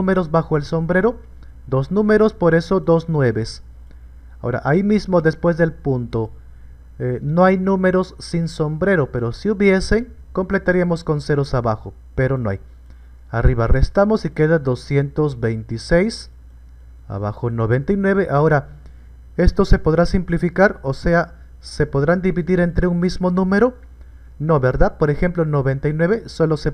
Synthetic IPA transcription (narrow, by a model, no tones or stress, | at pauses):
ume̞ɾo̞zβaxo̞e̞lso̞mbɾe̞ɾo̞ | d̪oznũme̞ɾo̞spo̞ɾe̞so̞ðo̞znwe̞βe̞s | ao̞ɾa̰ʔaimizmo̞ðe̞spwe̞zðe̞lpunt̪o̞ | eno̞ajnũme̞ɾo̞sːinso̞mbɾe̞ɾo̞pe̞ɾo̞siuβje̞se̞ŋ | ko̞mple̞t̪aɾiamo̞sko̞nse̞ɾosaβaxo̞ | pe̞ɾo̞noa̰j | ariβare̞st̪amo̞sike̞ðad̪o̞sje̞nt̪o̞zbe̞jnt̪isejs | a̰βaxono̞βe̞nt̪ajnwe̞βe̞ʔao̞ɾa | e̞st̪ose̞po̞ðɾasimplifikaɾo̞se̞a | se̞po̞ðɾand̪iβiðiɾe̞nt̪ɾeuŋmizmo̞nũme̞ɾo̞ | no̞βe̞ɾðaðpo̞ɾexe̞mplo̞noβe̞nt̪ajnwe̞βe̞so̞lo̞se